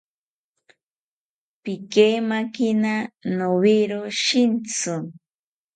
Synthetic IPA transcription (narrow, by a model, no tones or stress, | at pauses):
pikemakinanoβiɾoʃint͡sʊ